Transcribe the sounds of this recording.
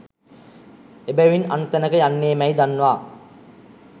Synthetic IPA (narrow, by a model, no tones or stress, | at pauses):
ebæʋinant̪ənəkəjanːeːmæjd̪anːuʋaː